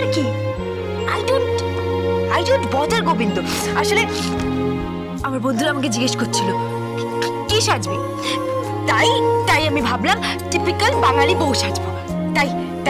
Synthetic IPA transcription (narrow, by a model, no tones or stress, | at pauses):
ɾki | ajɖonʈ | ajɖonʈbɔd̪əɾɡobind̪o | aʃole | amaɾbond̪ʱuɾaamak̬ed͡ʑiɡeʃkoɾt͡ɕʰilo | kiʃad͡ʑbe | t̪ajt̪ajamibʱablam | ʈipikəlbaŋalibowʃad͡ʑbo | t̪aj | t̪